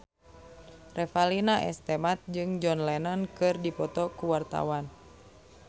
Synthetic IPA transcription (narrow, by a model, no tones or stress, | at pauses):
rɛfalinaʔɛ̰st̪ɛmat̪̚d͡ʒɨŋd͡ʒɔnlɛnɔnkɨrdipɔt̪ɔkuwart̪a̰wan